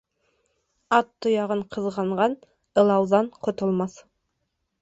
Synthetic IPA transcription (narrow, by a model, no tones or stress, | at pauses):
ɑt̪ːŏjɑʁɤɴqʰɤ̆ðʁɑɴʁɑn | ɤ̆lˠɑwðɑɴqʰŏt̪ŏlˠmɑθ